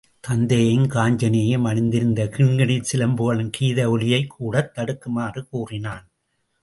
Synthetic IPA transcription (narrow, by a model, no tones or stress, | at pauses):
t̪ɐnd̪ɐjɪnkaːɲd͡ʒɐneːjemɐɳɪnd̪ɪɾɯnd̪ɐkɪɳɡɐɳit͡ʃɪlɐmboɣɐɭɯmkiːðɐʊɭɪjɐɪkʰːuːɽɐt̪ːɐɽɯkːɯmaːrɯkuːrɪnaːn